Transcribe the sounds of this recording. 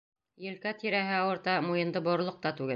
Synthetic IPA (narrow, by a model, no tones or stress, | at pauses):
jɘ̆lkæt̪iɾæɦɘɑwɤ̆ɾt̪ɑmujɤ̆nd̪ɤbŏɾ̆lˠoq̚t̪ɑt̪ʉɡɘ